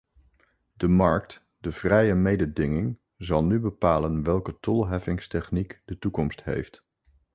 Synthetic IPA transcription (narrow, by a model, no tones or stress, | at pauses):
dəmɑɹk̚t | dəv̥rɛjəmejdədɪŋɪŋ | zɑlˠnybəpaːlənʋɛlˠkətɔlˠɦɛfɪŋstɛχnikd̥ətukɔmstɦḛjft